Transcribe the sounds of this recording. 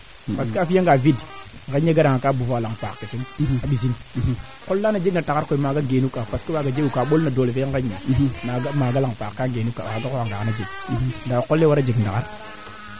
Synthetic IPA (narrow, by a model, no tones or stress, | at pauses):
paskafijaŋɡavidŋkeɲːeɡaɗaŋakabufalaŋpakkat͡ʃiŋaɓiz̬in | kolːanad͡ʒeknatakaɾkoimaɡaɡenukːapaskawaɡad͡ʒeɡukaɓolnadoːlefeaŋkeɲːḛmaɡamaɡalaŋpakkaɡenukːa̰waɡakowaŋɡakanad͡ʒeɡ̚ | ndakolːewaɾad͡ʒeɡndakaɾ